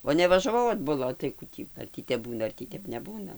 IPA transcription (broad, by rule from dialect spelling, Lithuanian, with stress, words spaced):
oː nʲɛʋɐʒɐˈʋɐʊ ɐdbʊˈlˠɐ oː tɐɪ ˈkuː tʲiː ɐr ˈtʲiː tʲɛp ˈbuːnɐ ɐr tʲiː ˈtʲɛp nʲɛˈbuːnɐ